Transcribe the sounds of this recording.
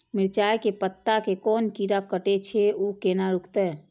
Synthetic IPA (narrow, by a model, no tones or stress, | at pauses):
miɾt͡ʃajkepət̪ːakekɔːnkiɾakəʈet͡ʃʰɛukenaɾukʰt̪ɛ